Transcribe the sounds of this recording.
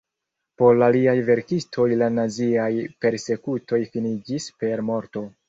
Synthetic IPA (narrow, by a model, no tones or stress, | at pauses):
po̞ɾlaliajve̞ɾkistʰo̞jlanaziajpe̞ɾse̞kutʰo̞jfinid͡ʒispe̞ɾmo̞ɾto̞